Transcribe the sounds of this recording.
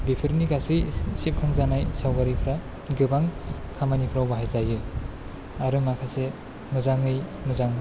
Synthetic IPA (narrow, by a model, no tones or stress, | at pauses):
bipʰɯɾniɡasɯjsip̚kʰɯŋzanajsawɡaɾipʰɾa | ɡɯbaŋ | kʰamanipʰɾawbaɦajzajɯ | aɾɯmakʰase | mɯzaŋɯjmɯzaŋ